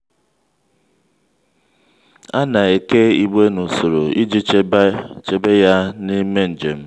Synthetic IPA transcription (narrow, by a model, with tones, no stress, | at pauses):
a˦na˨e˨ke˦i˦˨ɡ͡be˦nu˨so˨ɾo˨i˦d͡ʒi˦ | t͡ʃe˨be˦ja˦ni˦me˦n̩˨d͡ʒe˨m̩˦